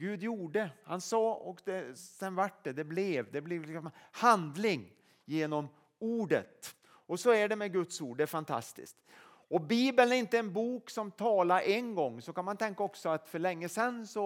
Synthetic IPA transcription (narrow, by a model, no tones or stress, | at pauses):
ɡʉ̟ːd̪juːɖəhansɑːɔkd̪ɛsɛnvaʈɖɛd̪ɛblɛvd̪ɛblɛvlɪksɔmhand̪lɪŋ | jeːnɔm | uːɖə̰t̪ | ɔsɔæɖɛmɛɡɵt̪suːɖɖɛæɾfant̪ʰa̰st̪ɪ̰skt̪ | ɔbiːbənæɾɪnt̪əɛnbuːksɔmt̪ʰɑːlaɾʔɛnɡɔŋːsɔkanmant̪ʰɛŋkaɔksɔat̪fœɭɛŋːəsɛnsɔ